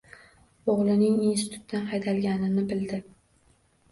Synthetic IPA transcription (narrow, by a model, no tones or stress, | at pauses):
oʁlˠɪnɪŋinsɪt̪ʰu̥t̪d̪anhɑjd̪ʰalɡʲanɪnɪbɪld̪ɪ